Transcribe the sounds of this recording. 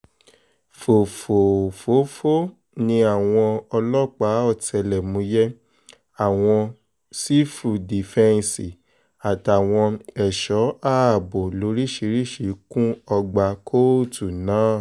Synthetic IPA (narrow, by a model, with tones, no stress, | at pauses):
fo˨fo˨fo˨˦fo˦ | nĩ˧a˦˨w̃ɔ̃˧ɔ˧lɔ˦k͡pa˨˦ɔ˦˨tʰɛ˨˧˨lɛ˨mũ˨˦jɛ˦ | a˨w̃ɔ̃˧ | si˦fu˨di˨fɛ̃˧n˧si˨ | a˨ta˨w̃ɔ̃˧ɛ˨ʃɔ˨˦a˦˨bo˨lo˨˦ɾi˦ʃi˧˦ɾi˦ʃi˨˦kũ˦ɔ˧ɡ͡ba˧kʰo˦˨tu˨nãː˨˦˨